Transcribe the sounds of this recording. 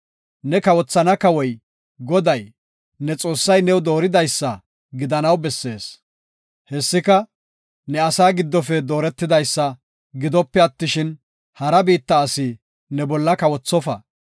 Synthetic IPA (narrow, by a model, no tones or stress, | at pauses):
nɛkɐwɔt͡sːɐnɐkɐwɔj | ɡɔd̪ɐj | nɛt͡sʼo̞ːsːɐjnɛwd̪o̞ːɾɪd̪ɐjsːɐ | ɡɪd̪ɐnɐwbɛsːe̞ːs | hɛsːɪkɐ | nɛɐsaːɡɪd̪ːɔfɛd̪o̞ːɾɛt̪ːɪd̪ɐjsːɐ | ɡɪd̪ɔpːɛɐt̪ːɪʃɪn | hɐɾɐbiːt̪ːɐːsɪ | nɛbɔlːɐkɐwɔt͡sːɔfɐ̰